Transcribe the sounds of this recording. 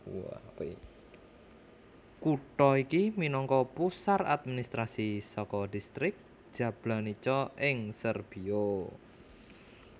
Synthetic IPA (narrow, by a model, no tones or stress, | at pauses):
a̰ | kuʈɔikiminɔŋkɔpusara̰d̪̚minist̪ɾasisɔkɔdist̪ɾɪk̚ʒ̥ä̤b̥lanit͡ʃɔʔɪŋsərb̥io